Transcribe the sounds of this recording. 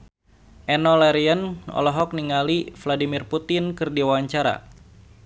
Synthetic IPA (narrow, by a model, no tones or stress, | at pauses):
ʔɛnɔlɛɾianɔ̰lɔɦɔk̚niŋalifladimirput̪inkɨrdiwawaɲt͡ʃaɾa̰